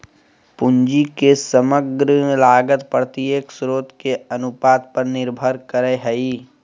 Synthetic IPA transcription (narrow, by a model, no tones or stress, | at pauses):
pʊnd͡ʒikesəməɡɾəlaːɡət̪pəɾt̪ieksɾoːt̪keɐnʊpaːd̪̚pəɾnɪɾbʱəɾkəɾeɦɛiː